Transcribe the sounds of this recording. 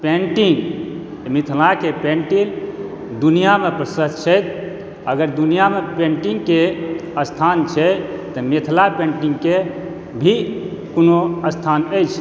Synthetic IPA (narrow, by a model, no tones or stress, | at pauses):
pẽɳʈiŋɡ | mit̪ʰlakepeɳʈil | d̪unijamepɾəsət̪t͡ʃʰəjt̪̚ | əɡəɾd̪unijamepẽɳʈiŋɡkeəst̪ʰant͡ʃʰɛt̪əmet̪ʰlapẽɳʈiŋɡke | bʱi | konoəst̪ʰanəjt͡ʃʰ